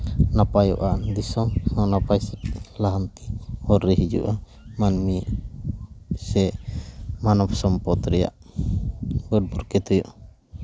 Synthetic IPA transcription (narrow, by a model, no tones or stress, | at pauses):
napajɔ̰ʔad̪isɔnɔnapajsɛt̪laɦant̪i̥hɔɾːɛɦid͡ʒṵʔa | manmi | sɛ | manɔpsɔmpɔt̪ɾɛja̰ʔ | bəɾ̚bɔɾkɛt̪ɔjɔ̰ʔ